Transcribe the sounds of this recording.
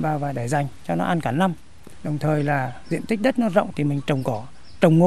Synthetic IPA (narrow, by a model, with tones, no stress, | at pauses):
vaː˨˩vaː˨˩ɗaː˧˩jza˨˩jŋ̟t͡ɕɔ˧nɔ˨˦ʔa˧nkaː˧˩nːa˧m | ɗə˨˩wŋ͡mt̪ʰəː˨˩jlaː˨˩zḭ˧˨ənt̪i˦˥k̚ɗə˦˥t̚nɔ˨˧zə̰˧˨wŋ͡mt̪ʰi˨˩mï˨˩ŋ̟t͡ɕə˨˩wŋ͡mkɔ˨˦ | t͡ɕə˨˩wŋ͡mŋo̰˧